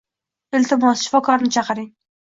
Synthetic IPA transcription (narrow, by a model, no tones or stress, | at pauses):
ɪlt̪ʰɪmɒsʃɪ̥fɒkʰɒɾnɪt͡ʃʰɑqɨɾɪŋ